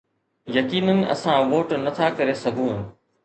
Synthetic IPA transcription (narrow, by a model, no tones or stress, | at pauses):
jɐkiːnənɐ̰sãʋoːʈnɐt̪ʰakɐɾesɐɡʱũː